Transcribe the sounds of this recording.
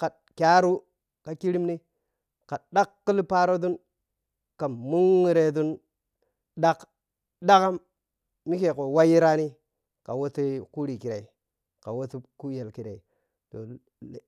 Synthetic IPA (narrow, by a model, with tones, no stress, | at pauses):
ka˨ | kʲa˦ɾu˦ | ka˨ki˦ɾi˦mni˦ | ka˨ɗa˦kːə˦lpa˦ɾo˦du˦n | ka˨mu˦ŋːi˨ɾe˨du˦n | ɗa˦k | da˦ka˦m | mi˦ke˨ko˨wa˦ji˦ɾa˦ni˦ | ka˨wo˦ti˦ku˦ɾi˨ki˨ɾa˨i˨ | ka˨wo˦ti˦ku˦je˨lki˨ɾe˨i˨ | to̰˨